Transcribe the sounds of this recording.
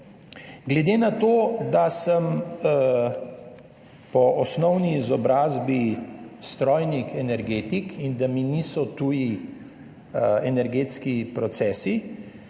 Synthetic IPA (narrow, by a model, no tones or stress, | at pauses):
ɡlɛd̪eːnat̪oːd̪asəm | pɔʔɔsnɔwniːzɔbɾaːzbist̪ɾɔjnikʰɛnɛɾɡeːt̪ikind̪aminisɔt̪uːji | ɛnɛɾɡeːt̪skipɾɔt̪sɛːsi